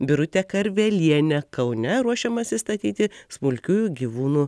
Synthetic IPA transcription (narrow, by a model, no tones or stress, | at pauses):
bʲɪɾʊt̪ʲɛkɐɾʲʋʲɛlʲiɛnʲɛkɐʊnʲɛɾuɔʃʲɛmɐsʲɪst̪ɐt̪ʲiːt̪ʲɪsmʊlʲkʲuːjuɡʲiʋuːnuː